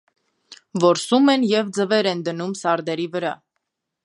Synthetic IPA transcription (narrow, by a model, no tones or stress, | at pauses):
vɔɾsumɛnjɛvd͡zəvɛɾɛnd̪ənumsɑɾd̪ɛɾivəɾɑ